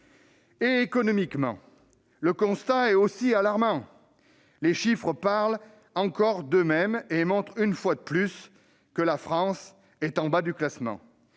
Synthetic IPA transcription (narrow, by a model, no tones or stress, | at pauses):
eːkɔnɔmikmɑ̰̃ | ləkɔ̃st̪aɛt̪osialaʁmɑ̃ | leʃifχəpaʁl | ɑ̃kɔʁd̪əmɛmemɔ̃t̪χynfwad̪əplys | kəlafχɑ̃s | ɛt̪ɑ̃bad̪yklasmɑ̰̃